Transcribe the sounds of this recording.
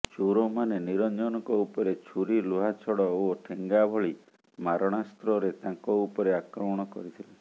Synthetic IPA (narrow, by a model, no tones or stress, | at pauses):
t͡ʃuɾomaneniɾɔnd͡ʒɔnɔkɔupɔɾet͡ʃʰuɾiluɦat͡ʃʰɔɽɔoʈʰeŋɡabʱɔɭi | maɾɔɽ̃ast̪ɾɔɾet̪ãŋkɔupɔɾeakɾɔmɔɽ̃ɔkɔ̰ɾit̪ʰile